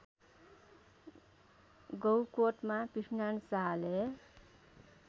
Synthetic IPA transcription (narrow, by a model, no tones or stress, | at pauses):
ɡʌwkoʈmapisnansaɦale